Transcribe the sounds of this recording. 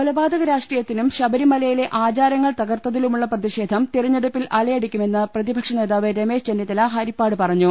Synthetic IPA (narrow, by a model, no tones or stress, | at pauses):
pɐlɐbaːd̪ɐɣɐɾaːʂʈriːjɐt̪ːinumɕɐbɐɾimɐlɐjile̞ʔaːt͡ɕaːɾjɐŋːɐɭt̪ɐɣɐrt̪ːɐðilumuɭːɐprɐðiʂe̞ːd̪ʱɐmt̪iriɲːe̞ɽupːilʔɐɭɐjɐɽukʲːume̞nːɐprɐðibʱɐkʂɐne̞ːðaːʋɨɾeme̞ːʂt͡ɕenːjit̪ːɐlaɦɐɾipːaːɽɨpɐrɐɲːu